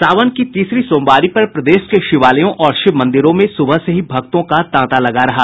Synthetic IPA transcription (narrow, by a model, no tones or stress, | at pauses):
saːʋənkit̪iːsɾisõːmbaːɾipɐɾpɾɐd̪eːʃkeʃɪʋaːləjõʔɔːɾʃɪbmɐ̃nd̪ɪɾõmẽsʊbʱəseɦibʱɐk̚t̪õkat̪ãːt̪alɐɡaɾɐɦaː